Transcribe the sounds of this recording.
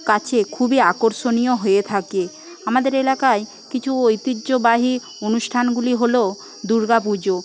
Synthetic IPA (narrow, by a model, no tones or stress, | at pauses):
kat͡ɕʰekʰubiakoɾʃonijoɦojet̪ʰake | amad̪eɾelakae | kit͡ɕʰuojt̪idːʑobaɦi | onuʃʈʰanɡuliɦolo | d̪uɾɡap̬ud͡ʑo